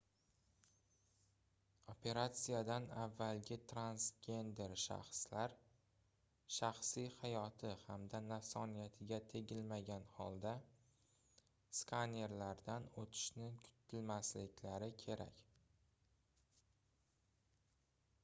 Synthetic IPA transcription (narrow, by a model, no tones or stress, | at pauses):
opʰe̞ɾat̪sijad̪anavːalɡʲɪt̪ʰɾansɡʲe̞nd̪e̞ɾʃa̰χslaɾ | ʃaχsijhajɒt̪ʰɪhamd̪anasɒnijat̪ʰɪɡʲat̪ʰe̞ɡʲɪlmaɡʲanhɒlˠd̪a | skʰane̞ɾlaɾd̪anot̪ʰɪ̥ʃnɪkʰʊ̥t̪ʰːɪlmaslɪkʲʰlaɾɪkʲʰe̞ɾa̰kʲ